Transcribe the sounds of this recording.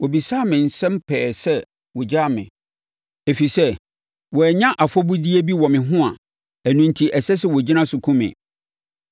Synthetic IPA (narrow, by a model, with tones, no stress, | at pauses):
wɔ˨bi˨saː˦˨mɪ̃˨n̩˨sɛ̃˦m˦pʰɛː˨sɛ˦ | wɔ˨d͡ʑa˦˨mɪ̰̃˨ | e˨fi˨sɛ˦ | wɔ˨ɛ˨ɲã˦ʔa˨fɔ˦bu˦di˦e˦bi˦wɔ˨mɪ̃˨ɦʊ̃˦a̰˨ | æ˨nũ˨n˨tʰi˨ʔɛ˨sɛ˦s̬ɛ˦wɔ˨d͡ʑi˦nã˦sʊ˨kʰũ˦mɪ̰̃˨